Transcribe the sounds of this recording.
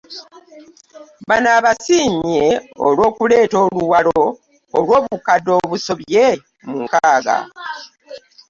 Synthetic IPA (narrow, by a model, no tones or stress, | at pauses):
banaːβasiːɲeo̰lwo̞ːkule̞ːto̞ːluwaloː | lwo̞ːβukadːo̞ːβuso̞βe | muŋkaːɡa̰